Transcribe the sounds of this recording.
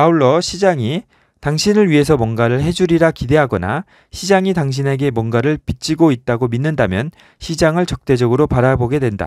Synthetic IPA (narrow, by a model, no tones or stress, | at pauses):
auɭːʌɕʰid͡ʑaŋi | taŋɕʰinɯɭɥiɦe̞sʰʌmwʌnɡaɾɯɭɦe̞d͡ʑuɾiɾakide̞ɦaɡʌna̰ | ɕʰid͡ʑaŋitaŋɕ̬ʰine̞ɡe̞mwʌnɡaɾɯɭpit͡ɕ͈iɡoit̚t͈aɡominːɯndamjʌn | ɕʰid͡ʑaŋɯɭt͡ɕʌk̚t͈e̞d͡ʑʌɡɯɾopaɾaboɡe̞dwe̞nda̰